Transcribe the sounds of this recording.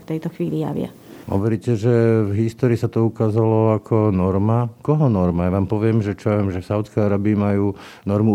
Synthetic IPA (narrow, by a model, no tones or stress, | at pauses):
ft̪ɛjt̪ɔxʋiːlija̰ʋɪa̰ | ɦɔ̰ʋɔɾiːcɛʒɛvɦist̪ɔːɾiːsat̪ɔukaːzalɔakʰɔnɔɾmakɔɦɔnɔɾmajaʋaːmpɔʋɪɛmʒɛt͡ʃɔɛmʒɛfsaʊt̪t͡sskɛjaɾaːbiːmajuː | nɔɾmu